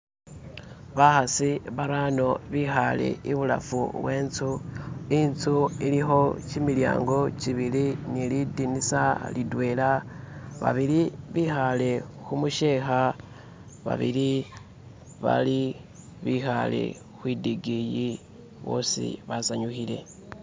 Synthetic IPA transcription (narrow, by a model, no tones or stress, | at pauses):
βaxasiβaɾano̞βixale̞̰iβula̰fṵβwe̞ːnt͡suint͡suilixo̞cimilja̰ːŋɡo̞t͡ʃiβilinilidinisalidwe̞ːlaβa̰βiliβixale̞ | xumuʃeːxa | βa̰βḭli | βa̰li | βixale̞̰ | xwiːdiɡiji | βo̞̰ːsḭβazaɲuxile̞̰